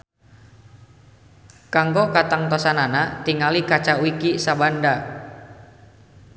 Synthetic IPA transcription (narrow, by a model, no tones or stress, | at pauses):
kaŋɡɔkat̪aŋt̪ɔsananat̪iŋalikat͡ʃawikisabanda